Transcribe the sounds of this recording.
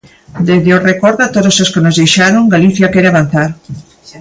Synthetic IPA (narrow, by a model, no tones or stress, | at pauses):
d̪ezðeorekoɾðat̪oðososkenozðejʃaɾoŋɡaliθjakɛɾeaβan̟θaɾ